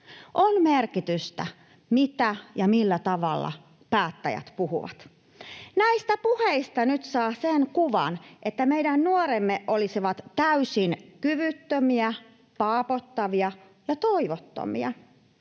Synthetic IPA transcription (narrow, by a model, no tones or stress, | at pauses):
ʔonmerkit̪yst̪æ̰ | mit̪æjɑmilːæt̪ɑʋɑlːɑ̰ | pæːt̪ːæ̰jæ̰t̪puhṵʋɑ̰t̪ | næist̪æpuheist̪ɑnyt̪sɑːsenkuʋɑ̰nʔet̪ːæmeidænnuoɾemːeʔʔolisiʋɑt̪tæysinkyʋyt̪ːømiæ | pɑːpot̪ːɑʋiɑ | jɑt̪oiʋot̪ːo̰mḭɑ̰